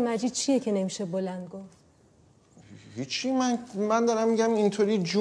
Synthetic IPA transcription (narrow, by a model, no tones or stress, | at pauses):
mæd͡ʒid̪̚t͡ʃʰije̞cʰe̞ne̞miʃebolænd̪̚ɡoft̪ | hit͡ʃʰimænmænd̪ɒɾæmːiɟæmint̪ʰoːɾiːd͡ʒu